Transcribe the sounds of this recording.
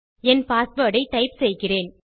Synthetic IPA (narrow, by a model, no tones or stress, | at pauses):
ɛnpaːsbɐːɽɐɪʈ̪ɐɪpsɛjɣɪreːn